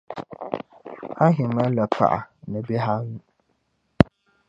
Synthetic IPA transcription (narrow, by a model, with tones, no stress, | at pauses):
ha˦ɦɪ˨ma˦la˨pʰa̰˨ʔa̰˨nɨ˨be˦ɦa˦ŋu˨